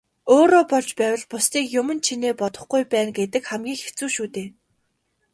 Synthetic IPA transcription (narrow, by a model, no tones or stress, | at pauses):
oːɾoːpɔɮt͡ɕpæːwʲə̆ɮpʊst̪iːkjʊmɵ̆nt͡ɕʰineːpɔt̪ɞ̆χɡujpæːnɡet̪ɘ̆kχæmɡʲiːkxe̥t͡suːʃuːt̪eː